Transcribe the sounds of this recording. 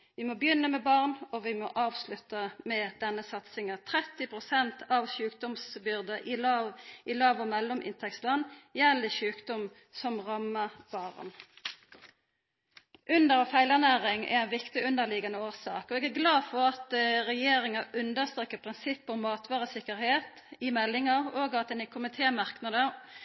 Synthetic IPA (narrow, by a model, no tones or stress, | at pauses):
ʋɪmɔbjʏnːəmɛbɑʁnɔʋɪmɔʔɑːʋslʉt̪əmɛd̪̥ɛnːəsɑt̪sɪŋət̪ʰɾɛt̪ːɪpʰʁʊsɛnt̪ʰɑʋʃʉːkd̪ɔmsbʏʁd̪əʔɪlɑɪlɑːʋɔmɛlːɔmʔɪ̰nt̪ʰɛkslɑnːjɛlːɪʃʉːkd̪ɔm | sɔmʁɑmːəʁb̥ɑʁn | ʔʉnd̪əʁfæɪlənæːʁɪŋɛ̰æɪnʋɪkt̪ɪʉnd̪əʁlɪɡɑnəoːʁsɑ̰ːkɔɛɡæʁɡlɑːdfɔʁɑt̪ʁɛjeːɾɪŋɑʉnd̪əʁst̪ʁeːkːəpʰʁɪnsɪpːɔmːɑːt̪ʰʋɑːʁəsɪkəʁheːt̪ | ɪmɛlːɪŋəʁoːɡɑt̪d̪ɛnɛkʰʊmɪt̪ʰeːmɑʁknɑd̪ə